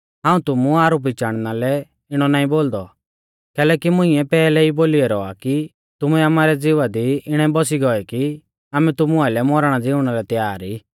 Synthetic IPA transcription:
ɦãːũt̪ʊmuaːɾup̬it͡ʃaːɽ̃nalɛ | ɪɽ̃ɔnaːĩboːld̪ɔ | kɛːlɛːkimʊ̃ĩɛpɛːlɛiboːliɛɾɔa̰ki | t̪ʊmuɛamaːɾɛd͡zɪʋad̪iɪɽ̃ãĩbɔsiɡɔɛki | aːmɛt̪ʊmuaɪlɛmɔɾɽ̃ad͡zɪʊɽ̃aɾɛt̪jaːɾiː

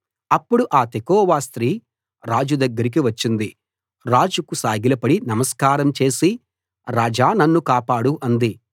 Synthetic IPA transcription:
ɐpːuɽuʔaːt̪ekɔːʋaːst̪ɾiː | ɾaːd͡ʒud̪ɐɡːɐɾik̬iʋɐt͡ʃːind̪i | ɾaːd͡ʒukusaːɡilɐpɐɽinɐmɐskaːɾɐmt͡ʃe̞ːsi | ɾaːd͡ʒaːnɐnːukaːpaːɽuʔɐnd̪i

